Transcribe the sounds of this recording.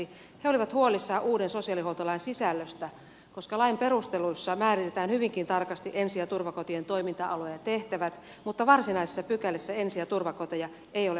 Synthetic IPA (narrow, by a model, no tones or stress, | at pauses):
i | heoliʋɑt̪huolisːɑːʔuːdensosiɑlihout̪olɑinsisælːøst̪æ | koskɑlɑimperust̪eluisːɑmæːrit̪et̪æːnhyʋiŋkint̪ɑrkɑst̪iʔensiæt̪urʋɑkot̪ient̪oimint̪ɑʔɑlojɑt̪eht̪æʋæt̪ | mut̪ːɑʋɑrsinɑise̥sːɑpykælːesːæensiæt̪urʋɑkot̪ojɑ | eijole